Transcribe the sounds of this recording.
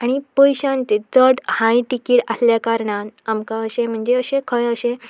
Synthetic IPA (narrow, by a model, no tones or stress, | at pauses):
aɽ̃ipəjɕãnt͡ɕet͡səʈhãjʈikiːʈasljakaɾɳat̪amkãəɕẽm̤əɳd͡zeəɕẽkʰəjəɕẽ